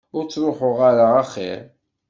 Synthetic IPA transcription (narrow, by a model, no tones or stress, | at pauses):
ʊɾt͡sːɾˤʊħʊʁaɾaaχḭɾ